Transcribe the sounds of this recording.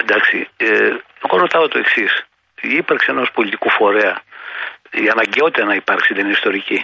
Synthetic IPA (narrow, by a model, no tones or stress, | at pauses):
end̪ɐksḭeeɣoɾo̞t̪ɐot̪o̞e̞ksis | iipɐɾksie̞no̞spo̞lit̪i̥kufo̞ɾe̞ɐ | iɐnɐɲɟeo̞t̪it̪ɐnɐipɐɾksit̪inist̪o̞ɾici